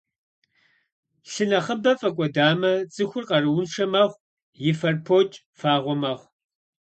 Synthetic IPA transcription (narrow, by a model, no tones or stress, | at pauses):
ɬɨnɐχəbɐfʼɐkʷʼɔdaːmɐt͡sʼɨxʷʊrqɐrɨwʊnʂɐmɐχʷ | jɪfɐrpʰoːt͡ʃʼ | faːʁʷɔmɐχʷ